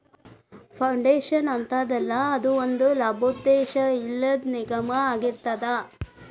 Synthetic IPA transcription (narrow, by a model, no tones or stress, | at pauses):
pʰɐwɳɖeːʃɐnɐnt̪aːd̪ɛlːɐːd̪uond̪ulɐbʱod̪ːeːʃɐilːɐd̪niɡɐmɐaːɡiɾt̪ɐd̪ɐ